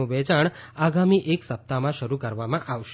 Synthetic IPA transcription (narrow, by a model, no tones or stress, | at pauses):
ũʋɛt͡ʃaɳaɡamiʔeksəp̚t̪amãʃəɾukəɾʋamãʔaʋʃ